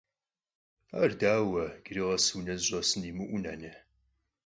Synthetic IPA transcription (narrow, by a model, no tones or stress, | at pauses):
a̰ːrdaːwɐɡ̥ɨɾɨʁɐswnɐzɕʷʼɐsɨnimɨʔʷuna̰nɨ